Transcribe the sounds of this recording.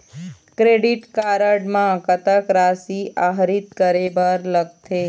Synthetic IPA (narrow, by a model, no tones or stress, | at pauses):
kɾeɖiʈkaɾəɖmãkət̪əkɾasiaɦɾit̪̚kəɾebəɾləɡ̚t̪ʰe